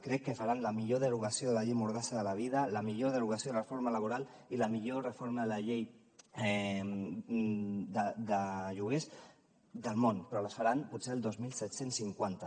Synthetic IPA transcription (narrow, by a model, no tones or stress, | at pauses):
kɾɛkːəfaɾanləmiʎoðəɾuɣəsioðələʎejmuɾðasəðələβ̞iðələmiʎoðəɾuɣəsioðəlrəfoɾmələβ̞uɾalˠ | iləmiʎorəfoɾməðələʎej | d̪əd̪əʒuɣ̞es | d̪əlˠmonpɾɔləsfaɾanput̪seəlˠd̪ozmilˠsɛt̪sensːiŋkwant̪ə